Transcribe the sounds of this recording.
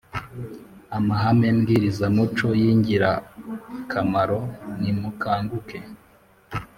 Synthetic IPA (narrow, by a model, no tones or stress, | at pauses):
amaɦamemɡiːɾizamut͡ʃo̞jiːɲɟiɾa | kʰamaɾo̞nimukʰaːŋɡuke̞